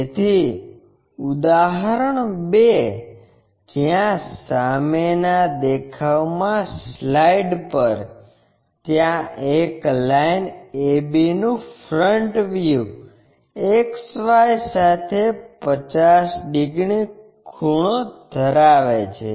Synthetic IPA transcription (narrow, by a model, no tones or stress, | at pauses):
et̪ʰi | ud̪aɦɾəɳbe | d͡ʒjãsamenad̪ekʰaʋmãslaiɖpəɾ | t̪jãeklainebinũfɾəɳʈʋju | eksəʋajsat̪ʰepət͡ʃasɖiɡɳi | kʰuɳ̃od̪ʱəɾaʋet͡ʃʰḛ